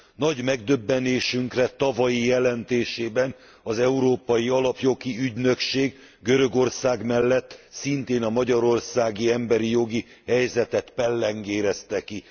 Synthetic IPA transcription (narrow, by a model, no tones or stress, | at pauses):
nɒɟmɛɡd̪øbːɛneːʃyŋkrɛt̪ɒvɒjijɛlɛnt̪eːʃeːbɛn | ɒzɛuɾoːpɒjiɒlɒpjo̞ɡiyɟnø̞kʃeːɡ | ɡøɾø̞ɡo̞rsaːɡmɛlːɛt̪ːsint̪eːnɒmɒɟɒɾo̞rsaːɡiɛmbɛɾijo̞ɡi | hɛjzɛt̪ɛt̪pɛlːɛŋɡeːɾɛst̪ɛki